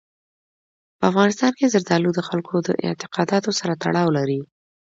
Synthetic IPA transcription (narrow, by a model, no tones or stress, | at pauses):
pəafɣɑnɪst̪ɑnkezaɾd̪ɑlud̪əxalkʰod̪əʔɪ̰nt̪ɪ̥qɑd̪ɑt̪osaɾat̪a̰ɽɑwlaɾi